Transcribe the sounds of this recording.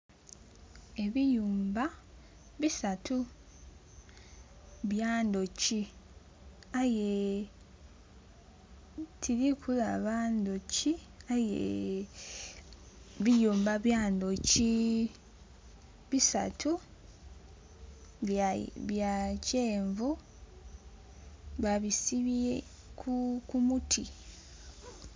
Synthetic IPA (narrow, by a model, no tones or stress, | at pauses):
e̞βijuːmba | βisatʰu | βjaːndo̞ci | aje | tʰiɾikʰulaβaːndociajḛ | βijuːmbaβjaːndo̞ci | βisa̰tʰu | βjaceːɱvu | βaβisiβie | kukumutʰi